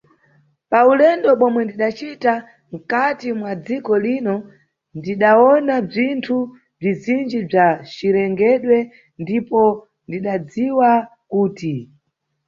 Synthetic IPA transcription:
paulɛndɔɓɔmwɛndiɗat͡ʃita | m̩katimwad͡zikɔlinɔ | ndiɗaɔnab͡ʐintʰu | b͡ʐizind͡ʒib͡ʐat͡ʃiɾɛŋɡɛɗwɛ | ndipɔ | ndiɗad͡ziwakuːti

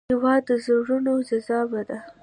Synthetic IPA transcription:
awɑd̪əzaɾunozazɑwad̪a

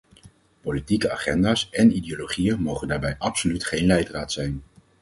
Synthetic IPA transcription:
politikəa̰ːχɛndaːsɛnideoloχijənmowχəndaːɹbɛjʔɑpsolytχejnlɛjtraːtsɛjn

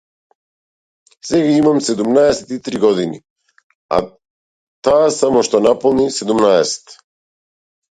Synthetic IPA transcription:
sɛɡaimamsɛd̪umnaɛsɛt̪it̪ɾiɡɔd̪ini | a̰ | t̪aːsamɔʃt̪ɔnapɔlˠnisɛd̪umnaɛsɛ̥t̪

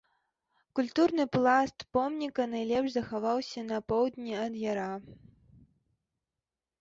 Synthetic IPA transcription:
kulʲt̪urnɨplˠast̪pɔmnʲikɐnajlʲɛpʂzɐxavawsʲɐnɐpɔwd̪ʲnʲiɐd̪jaɾa

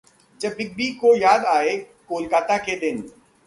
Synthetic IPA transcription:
d͡ʒɐbɪk̚bikojaːd̪aːe | koːlkaːt̪aked̪ɪn

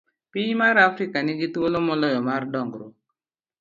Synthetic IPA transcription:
pɪmaɾafɾikanɪɡitwolomɔlɔjɔmardɔŋɡɾo

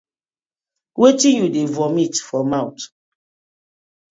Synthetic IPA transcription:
wetĩnjudevɔmitfɔmawt

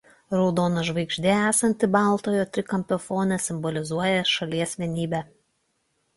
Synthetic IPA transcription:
ɾɒʊd̪oːnɐʒʋɐɪɡʒʲd̪ʲeæːsɐnʲt̪ʲɪbɑˑlˠt̪oːjoːt̪ʲɾʲɪkɐmʲpʲɛfoːnʲɛsʲɪmbɔlʲɪzuɔjɛʃɐlʲiɛsʲʋʲiɛnʲiːbʲɛ

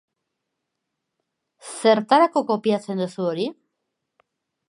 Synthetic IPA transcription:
se̞ɾt̪aɾakoko̞piat͡se̞nd̪usuoɾi

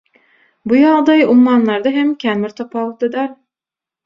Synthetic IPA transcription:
bujɑʁd̪ɑjumːɑnlˠɑɾd̪ɑɦæmkʲʰæmɪɾt̪ʰopɑlˠt̪ɯd̪ɑɾ

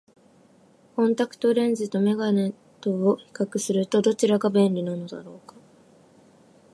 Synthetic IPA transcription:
kõ̞nt̪akɯ̟̥t̪o̞ɾẽ̞ɲzɨt̪o̞me̞ɡane̞ | t̪ooçi̥kakɯ̟sɨɾɯ̟t̪o̞d̪o̞t͡ɕiɾaɡabẽ̞nɾʲinanod̪a̰ɾo̞ːkḁ

